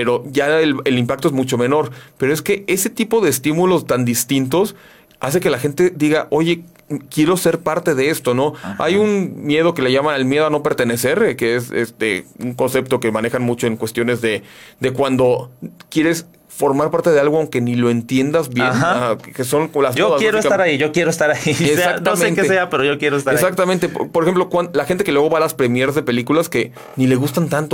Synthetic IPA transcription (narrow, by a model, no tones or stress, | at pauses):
peɾo̞ʝaelelimpak̚t̪oe̞zmut͡ʃo̞me̞no̞ɾpe̞ɾo̞e̞ske̞e̞se̞t̪ipo̞ð̞e̞ːst̪imulo̞st̪and̪ist̪int̪o̞s | a̰se̞ke̞laxe̞nt̪e̞d̪iɣaʔo̞ʝe̞ | kje̞ɾo̞se̞ɾpaɾt̪e̞ðe̞e̞st̪o̞no̞a̰junmje̞ð̞o̞ke̞le̞ʝamanelmje̞ð̞o̞ano̞pe̞ɾt̪e̞ne̞se̞ɾkeesḛst̪ḛuŋko̞nse̞p̚t̪o̞ke̞mãne̞xanmut͡ʃo̞e̞ŋkwe̞st̪jo̞ne̞zðe̞d̪e̞kwand̪o̞kje̞ɾe̞s | fo̞ɾmaɾpaɾt̪e̞ð̞e̞alɣoawŋke̞nilo̞e̞nt̪je̞nd̪azβje̞naakeso̞nkolazmooðajeɾoeskat̪aɾaiʝokje̞ɾoest̪aɾaiesesaknasmẽntkeeseapeɾoʝokjeɾoes̬t̪aesak̚t̪amẽnt̪e̞ppoɾexe̞mplokwanlaxent̪e̞ke̞lweɣo̞alaspɾe̞mjeɾazðe̞pe̞likulaske̞ | nile̞ɣust̪ant̪ant̪o